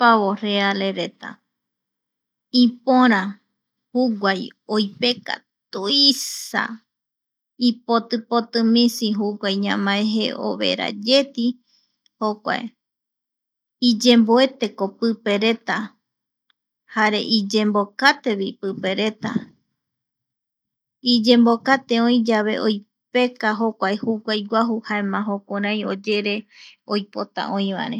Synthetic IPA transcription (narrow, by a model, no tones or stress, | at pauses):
paβorealeɾe̞t̪a̰ | ipõɾ̃ã | huɡwʷajojpe̞ka̰ | t̪uisa̰ | ipot̪ɨpot̪ɨmĩsiɦuɡʷajɲãmãẽɦeʔo̰βe̞̰ɾa̰d͡ʒe̞t̪i | hokʷa̰ḛ | id͡ʒẽ̞mboe̞t̪e̞ko̞pɨpe̞ɾe̞t̪a | haɾe̞̰ʔid͡ʒẽ̞mbokat̪e̞βipɨpe̞ɾe̞t̪a̰ | id͡ʒẽ̞mbo̞kat̪e̞õj̃d͡ʒaβe̞̰ʔoj | pe̞kaɦo̞kʷaehukʷajɡʷaɦuhaemãɦokʷoɾ̃ãj̃o̞d͡ʒe̞ɾe̞ojpo̞t̪a̰ʔõj̃βa̰ɾẽ